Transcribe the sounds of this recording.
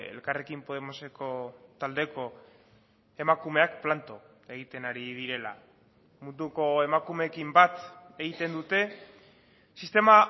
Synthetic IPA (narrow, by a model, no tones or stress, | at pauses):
ḛlkare̞kimpo̞ð̞emo̞se̞ko̞t̪ald̪e̞ko̞ | e̞makume̞akplant̪o | e̞ɣ̞it̪e̞naɾiðiɾe̞la̰ | mund̪uko̞e̞makume̞kimbat̪e̞ɣ̞it̪e̞nd̪ut̪e̞ | sist̪e̞ma